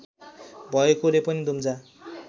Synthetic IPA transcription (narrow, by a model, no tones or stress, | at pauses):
bʱʌekolepʌnid̪ʱumd͡za